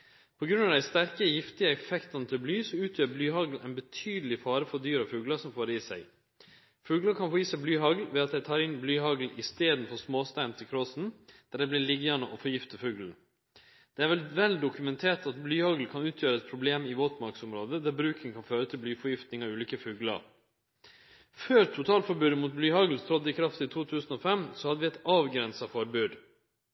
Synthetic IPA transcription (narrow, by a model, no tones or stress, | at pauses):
pʰɔɡɾʉnɑʋd̪æɪst̪æɾkəjɪft̪ɪəɛfɛkt̪ɑnt̪ʰɪlblyːsɔʉːt̪ʰjøːɾblyːhɑɡl̩ʔæ̰ɪnbət̪ʰyːd̪əlɪfɑːɾəfɔd̪yːɾɑfʉːɡləsɔmfoːɾəiːsæɪ | fʉːɡləkʰɑnfoːjiːsɛblyːɦɑɡl̩ʋɛːɑt̪̚d̪æɪt̪ʰɑːɾɪnblyːɦɑɡl̩ɪst̪eːd̪nfɔsmoːst̪æɪnt̪ʰɪlkʰɾosn̩d̪̥æɖ̪ɛɪblɪɭɪɡjɑnəʔɔfɔjɪft̪əfʉːɡlən | d̪̥ɛæɾʋɛlʋɛld̪ʊkʉmɛnt̪ʰeːʈɑt̪blyːhɑɡl̩kʰɑnʉːt̪ʰjøːɾəɛt̪̚pʰɾʊbleːmɪʋoːt̪mɑɾksʊmɾoːd̪əd̪æɾbɾʉːkɪŋkʰɑnføːɾət̪ʰɪlblyːfɔjɪft̪nɪŋɑʉːliːkəfʉːɡlɑ̰ɾ | føːɾt̪ʰʊt̪ʰɑːlfɔɾbʉːd̪əmuːt̪̚blyːhɑɡl̩st̪ʰɾɔd̪əɪkʰɾɑft̪iːt̪ʰuːt̪ʰʉːsn̩ɔːfɛmsɔhɑd̪ːəʋɪɛt̪ɑːʋɡɾɛnsɑfɔɾbʉːd̪